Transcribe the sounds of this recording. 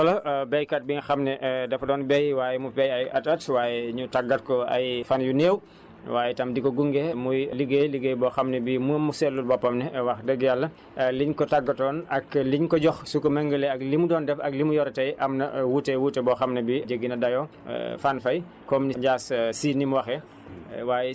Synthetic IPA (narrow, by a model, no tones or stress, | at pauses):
tɔlɐbɛjkɐt̚biŋxɐmnɛʔdɐfɐdɔːnbɛjwaːjɛmupɛjɐjɐtɐtwaːjɛɲutaɡɐt̚kɔɐ̰jfanjuneːw | waːjɛtɐmdikɔɡuŋɡɛmujliɡeːliɡeːjbɔxɐmnɛbimumːusɛlːulbɔpːɐmnɛɛwɐxdɛɡjalːɐ | liɲkɔtaɡːɐtɔːnɐkliɲkɔɟɔxsukɔmɛŋɡəlɛɐklimudɔːndɛfɐk̚limujɔɾɐtɐjʔɐmnɐwutːɛwutːɛbɔːxɐmnɐbid͡ʒəɡːinɐdɐjɔ̰ | fanfɐj | kɔmniɲɟaːssiːnimwɐxɛ | waːjɛ